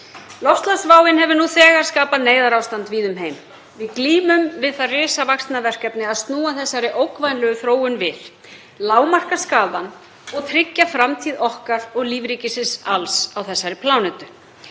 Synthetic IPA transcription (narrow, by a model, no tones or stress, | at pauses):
lɔfst̪lasvaːwɪnɦɛvʏɾnuθɛːɣaɾ̥skaːpaneːjðaɾawst̪ant̪viːðʏmɦejm | vɪðkliːmʏmvɪðθaðrɪːsavakst̪navɛr̥kɛpnɪaðst̪nuːaθɛsːaɾɪʔowkvajnlœɣʏθɾoːwʏnvɪð | laːwmar̥kḁskaːðan | ɔɣt̪ʰɾɪcːafɾamt̪ʰiːðɔhkaɾɔɣliːvɾiːcɪsɪsalsawθɛsːaɾɪpʰlaːwnʏt̪ʏ̥